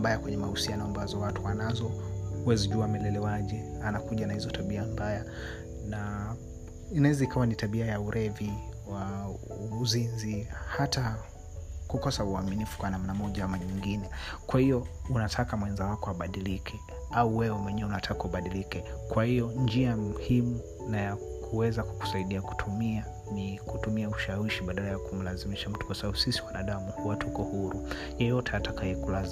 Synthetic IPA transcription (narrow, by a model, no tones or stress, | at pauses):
bajakwɛɲɛmahusianɔambazɔwatuwanazɔwɛziʄuamɛlɛlɛwaʄɛanakuʄanahizɔtaɓiambaja | na | inaɛzaikawanitaɓiajauɾʔɛvi | wa | uzinzihata | kukɔsauaminifu̥kwanam̩namɔʄaamaɲiŋɡinɛkwahijɔunatʰakamwɛnzawakɔaɓaɗilikʰɛ | auwɛwɛmwɛɲɛɛunatʰakauɓaɗilikɛkwahijɔnd͡ʒiamuhimu | naja | kʰuwɛzaku̥ku̥saiɗiaku̥tʰumia | nikutumiauʃawiʃiɓaɗalajakum̩lazimiʃam̩tu̥kwasaɓaɓusisiwanaɗamuhuwatuhukɔhuɾu | jɛjɔtɛatakajɛkulaz